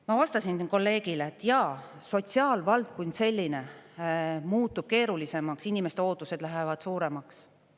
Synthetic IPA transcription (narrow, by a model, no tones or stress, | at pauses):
mɑvɑst̪ɑsinko̞lːe̞ːɡ̥ileːt̪ːˑjɑ | so̞t̪siɑːlvɑld̪̥̚konʲse̞lʲːine̞ | muːt̪ːˑub̥̚ke̞ːɾulise̞mɑksinʲime̞st̪eo̞ːt̪ːˑuse̞d̪̥læɦevɑd̪̥suːɾe̞mɑks